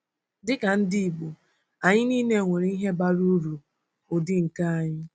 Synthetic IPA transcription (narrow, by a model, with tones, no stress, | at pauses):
dɪ˦ka˨n̩˦di˦˨ɡ͡bu˨ | a˨ɲɪ˦niː˦ne˦˨ŋʷe˨ɾi˦i˦ɦe˦ba˦ɾu˦ɾu˨ | ʊ˨dɪ˦ŋ̩˨ka˦a˦˨ɲɪ˦